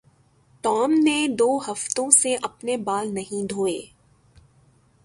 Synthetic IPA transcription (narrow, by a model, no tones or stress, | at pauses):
ʈɔːmned̪oːɦɐft̪õseʔɐpnebaːlnɐɦĩd̪ʱoːeː